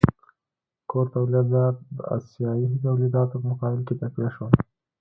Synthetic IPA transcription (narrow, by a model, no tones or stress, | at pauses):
koɾt̪awlid̪ɑt̪̚d̪ə̰a̰sjɑiɦit̪̬awlid̪ɑt̪opəmʊqɑbɪlket̪akwiaʃwəl